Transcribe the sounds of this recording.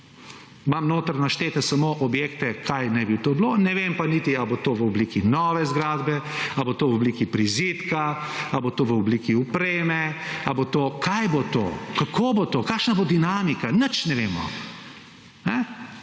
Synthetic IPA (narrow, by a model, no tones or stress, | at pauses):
mamnoːt̪ɾnaʃt̪eːt̪asamoʔɔbjeːkt̪ɛkʰajnajbit̪oːblonɛʋempaniːt̪iabot̪oːʋəɔbliːkinɔːʋɛzɡɾaːd̪bɛabot̪oːʋɔbliːkipɾiziːt̪kaabot̪oːʋəɔbliːkiupɾeːmɛabot̪oːkʰajbot̪o̰ːkakʰoːbot̪oːkaːkʃnabod̪inaːmikanət͡ʃnɛʋeːmɔ̰ | nɛ